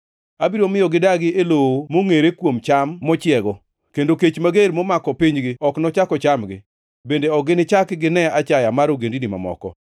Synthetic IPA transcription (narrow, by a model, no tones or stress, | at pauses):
abiɾomɪjɔɡɪdaɡɪelowomoŋeɾekwomt͡ʃamːɔt͡ʃɪɛɡɔ | kendoket͡ʃmaɡeɾmɔmakɔpiɲɡɪɔknɔt͡ʃakɔt͡ʃamɡɪ̰ | bendeɔɡɪnɪt͡ʃakɡɪnɛat͡ʃajamaɾoɡendinima̰mɔ̰kɔ̰